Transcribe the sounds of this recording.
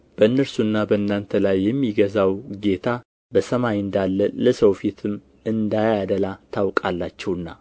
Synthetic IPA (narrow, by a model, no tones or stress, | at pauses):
b̥əɨnːəɾsunːabəɨnːant̪ʰəlajːɛmːiɡəzawɡe̞t̪ʰa | bəsəmajɨnd̪alːələsəwfit̪ʰɨm | ɨnd̪ajad̪əlat̪ʰawkʼalːat͡ʃːɛwɨnːa̰